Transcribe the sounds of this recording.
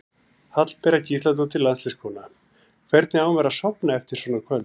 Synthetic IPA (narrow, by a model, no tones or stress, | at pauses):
hat̪l̥pɛːɾaciːslat̪̬ut̪ʰɪlːanslɛskʰɔːna | kʰvɛɾt̪nɪaːwmɛɾasɔpnaɛft̪ɪɾ̥swɔːnakʰvœl